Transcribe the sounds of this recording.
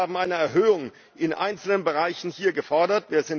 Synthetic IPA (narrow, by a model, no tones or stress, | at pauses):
aːbm̩ʔaɪnɐɛɐɦøːʊŋ | ʔɪnʔa̰ɪnt͡sl̩nənbəʁaɪçn̩hiːɐɡəfɔɐdɐtv̥iːɐzɪn